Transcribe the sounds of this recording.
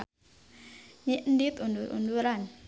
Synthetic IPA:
ɲiʔndit̪unduɾṵnduɾan

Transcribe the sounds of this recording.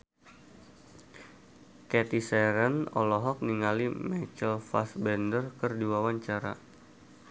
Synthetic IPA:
kɛt̪isɛɾənɔ̰lɔɦɔk̚niŋalimɛt͡ʃəlfa̰sbɛndərkərdiwawaɲt͡ʃaɾa̰

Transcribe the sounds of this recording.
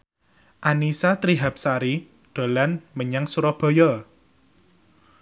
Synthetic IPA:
ʔanisat̪ɾiɦap̚saɾi | ɖ̪̥o̤lanməɲaŋsuɾɔb̥ɔ̤jɔ

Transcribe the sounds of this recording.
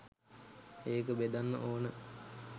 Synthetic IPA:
eːkəbed̪anːə̰ʔoːnə

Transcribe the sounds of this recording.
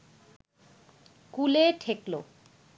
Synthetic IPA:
kuleʈʰeklo

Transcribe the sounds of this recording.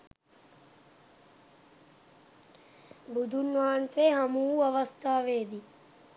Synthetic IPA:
bud̪ʱunʋaːnseɦamuːɐʋɐst̪ʰaːʋeːd̪i

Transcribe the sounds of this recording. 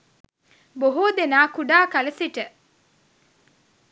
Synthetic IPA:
boɦud̪enaːkuɖaːkɐlɐsiʈə

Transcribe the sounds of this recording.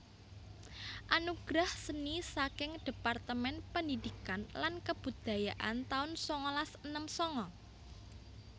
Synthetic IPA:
ʔanuɡ̥ɾahsənisakɪŋd̥e̤part̪əmɛnpəndidikanlankəb̥ṳd̪̥a̤jaʔa̰nt̪aʊnsɔŋɔlasənəmsɔŋɔ

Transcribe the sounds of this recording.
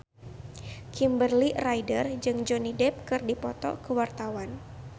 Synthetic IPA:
kʰimbərliraidərd͡ʒɨŋd͡ʒɔnidɛp̚kɨrdipɔt̪ɔ̰kəwart̪awan

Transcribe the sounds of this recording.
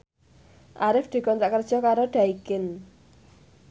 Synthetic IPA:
ʔaɾɪfd̪̥i̤kɔnt̪ɾaʔkərd̥ʒ̥ɔ̤kaɾoɖ̥a̤ikɪn

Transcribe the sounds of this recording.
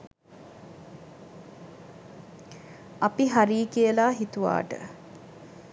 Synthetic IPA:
apiɦaɾiːkijəlaːɦit̪uʋa̰ːʈə̰

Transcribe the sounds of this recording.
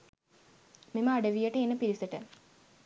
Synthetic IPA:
meməaɖəʋijəʈəenːəpiɾisəʈə

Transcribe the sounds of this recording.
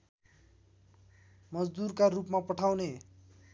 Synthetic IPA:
mʌd͡zd̪urkarupmapʌʈʰawne

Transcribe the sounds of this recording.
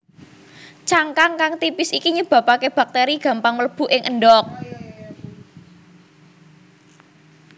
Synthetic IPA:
t͡ʃaŋkaŋkaŋt̪ipɪsikiɲub̥ä̤pakeb̥äk̚t̪eɾiɡ̥ä̤mpaŋmələb̥ṳʔɪŋʔəɳɖɔk̚

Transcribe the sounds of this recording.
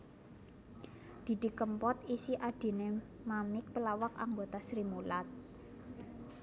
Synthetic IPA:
d̪̥i̤d̪̥i̤kəmpɔt̪isiʔad̥i̤ne | mamɪk̚pəlawaka̰ŋɡot̪asɾimulat̪̚

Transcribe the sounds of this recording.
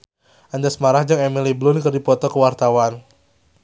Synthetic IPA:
ʔandasmaɾahd͡ʒɨŋɛmiliblʊnkərdipɔt̪ɔkəwart̪awan

